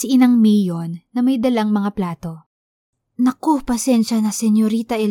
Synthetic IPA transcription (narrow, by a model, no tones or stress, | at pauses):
siʔɪnɐŋmɛjonːɐmɐjd̪ɐlaŋmɐŋaplaːt̪o̞ | nɐkopɐsɛnʃɐnɐsɛnjoɾiːt̪ɐɛl